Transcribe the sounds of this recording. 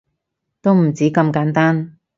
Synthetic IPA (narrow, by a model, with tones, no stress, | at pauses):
t̪o˥wm̩˨˩t͡siː˨˥kɐ˧mkaː˨˥nt̪aː˥n